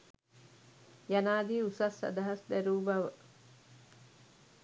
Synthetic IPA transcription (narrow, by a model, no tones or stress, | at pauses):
janaːd̪iːusɐsːɐ̰d̪ɐɦɐsd̪æɾuːbaʋə